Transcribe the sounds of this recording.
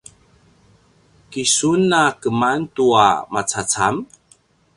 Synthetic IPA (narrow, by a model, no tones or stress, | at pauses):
kisunːakəmantua̰mat͡sat͡sam